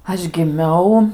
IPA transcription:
ˈɐʃ ɡʲɪˈmʲɛʊ

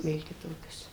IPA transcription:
ˈʋʲeːlˠ kʲɪˈtoːkʲoːs

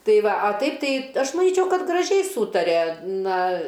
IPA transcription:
ˈtɐɪ ˈʋɐ ɐ ˈtɐɪp ˈtɐɪ ˈɐʃ mɐˈnʲiːt͡ʃʲɛʊ ˈkɐt ɡrɐˈʒʲɛɪ ˈsuːtɐrʲɛ ˈnɐ

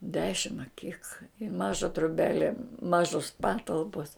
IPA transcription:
ˈdʲæːʃʲɪm ɐ kʲɪk ɪ ˈmɑːʒɐ troːˈbʲæːlʲɛ ˈmɑːʒoːs ˈpɑːtɐlˠpoːs

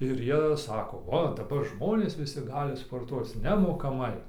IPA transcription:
ɪr ˈjiɛ ˈsɑːkoː ˈoː dɐˈbɐr ˈʒmoːnʲeːs ˈʋʲɪsʲɪ ˈɡɑːlʲɪ spoːrˈtuɔt͡s nʲɛmoːkɐˈmɐɪ

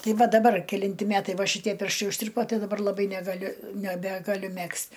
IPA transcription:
ˈtɐɪ ˈʋɐ dɐˈbɐr kʲɛˈlʲɪnʲtʲɪ ˈmʲæːtɐɪ ˈʋɐ ʃʲɪˈtʲiɛ ˈpʲɪrʃtɐɪ ʊʃʲˈtʲɪrpoː ˈtɐɪ dɐˈbɐr lˠɐˈbɐɪ nʲɛɡɐˈlʲʊ nʲɛˈbʲæːɡɐˌlʲʊ ˈmʲɛksʲtʲ

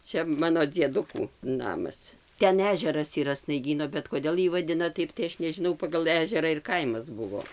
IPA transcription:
ˈt͡ʃʲɛ ˈmɑːnoː d͡zʲiɛˈdʊkuː ˈnɑːmɐs ˈtʲɛn ˈæːʒʲɛrɐs iːˈrɐ snɐɪˈɡʲiːnoː bʲɛt koːˈdʲeːlˠ ˈjiː ʋɐˈdʲɪnɐ ˈtɐɪp tɐɪ ˈɐʃ nʲɛʒʲɪˈnɐʊ pɐɡɐlˠ ˈæːʒʲɛrɐ ɪr ˈkɐɪmɐs ˈbʊʋoː

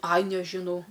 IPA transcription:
ɐj nʲɛʒʲɪˈnɐʊ

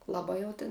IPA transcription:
lˠɐˈbɐɪ jɛʊ tʲɪn

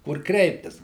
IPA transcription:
kʊr ˈkrʲɛɪpʲtʲɪs

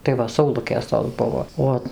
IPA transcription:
tɐɪ ˈʋɐ sɐʊˈlˠʊkʲeːs toːs ˈbʊʋoː ˈoː

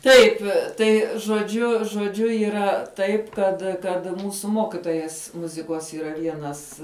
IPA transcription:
ˈtɐɪp ˈtɐɪ ʒoːˈd͡ʒʲʊ ʒoːˈd͡ʒʲʊ iːˈrɐ ˈtɐɪp ˈkɐt kɐt ˈmuːsʊ ˈmoːkʲɪtoːjɛs ˈmʊzʲɪkoːs iːˈrɐ ˈʋʲiɛnɐs

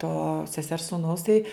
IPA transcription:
toː sʲɛˈsʲɛrs suːˈnɐʊs tɐɪ

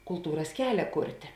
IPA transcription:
kʊlˠˈtuːrɐs ˈkʲæːlʲɛ ˈkʊrʲtʲeː

